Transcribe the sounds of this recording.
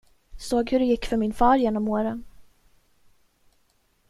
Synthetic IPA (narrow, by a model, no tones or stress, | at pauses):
soːɡhɵɖɛjɪkːfœɾmɪnfɑːɾjeːnɔmoːɾən